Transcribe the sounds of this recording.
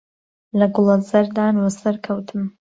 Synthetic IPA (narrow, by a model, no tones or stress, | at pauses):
lɐɡʊlˠɐzɐɾd̪aːnwɐsɐɾkʰɐwt̪ʰɨm